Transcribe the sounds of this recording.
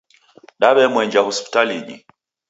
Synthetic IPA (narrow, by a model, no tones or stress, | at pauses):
ɗaβɛmwɛɲd͡ʒahɔspi̥taliɲḭ